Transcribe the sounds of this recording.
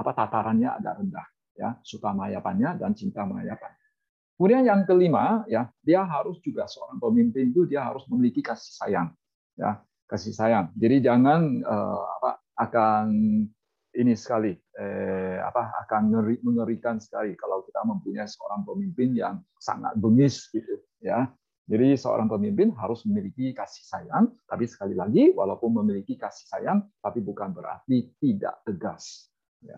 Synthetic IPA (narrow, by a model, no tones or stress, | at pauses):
apat̪at̪aɾanɲaa̰da̰ʔɾəndah | jasut̪aməajapanɲadant͡ʃint̪aməa̰japan | punajaŋkəlimajadiaɦaɾʊsd͡ʒuɡasəo̰ɾaŋpəmimpɪnt̪udiaɦaɾʊsməmilikikasi̥sajaŋ | ja̰ | kasisajaŋd͡ʒadid͡ʒaŋanə̰a̰pa̰ | ʔakan | inisə̥kaliəa̰paa̰kanŋəɾiməŋəɾikansə̥kalikalawkit̪aməmpuɲajsəo̰ɾaŋpəmimpɪnjaŋ | sa̰ŋa̰t̪̚bəŋɪsɡit̪u | ja | d͡ʒadisəo̰ɾʔaŋpəmimpɪnɦaɾʊsməmilikikasɪ̥hsajaŋt̪apisə̥kalilaɡiwa̰laupʊnməmilikikasɪ̥hsajaŋt̪apibukanbəɾa̰rt̪it̪ida̰ʔt̪əɡas | ja̰